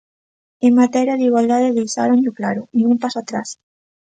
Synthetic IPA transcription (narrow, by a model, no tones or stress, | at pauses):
eŋmat̪ɛɾjaðiɣwald̪að̞eðejsa̰ɾõɲʎʊklaɾʊiumpasoat̪ɾa̰s